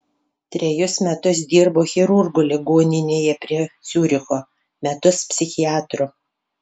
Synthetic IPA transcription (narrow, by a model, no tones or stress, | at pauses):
t̪ʲɾʲɛjʊsmʲɛt̪ʊs̬d̪ʲiːɾboːxʲɛɾʊɾɡʊlʲɪɡoːnʲɪnʲeːjɛpʲɾʲiɛsʲuːɾʲɪxoː | mʲɛt̪ʊspʲsʲɪxʲɪæːt̪ɾʊ